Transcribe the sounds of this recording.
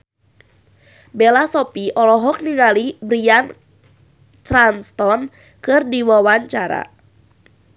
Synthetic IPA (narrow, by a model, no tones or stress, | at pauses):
belasɔpiʔɔlɔɦɔk̚niŋalibɾian | t̪ɾanst̪ɔn | kɨrdiwawaɲt͡ʃaɾa̰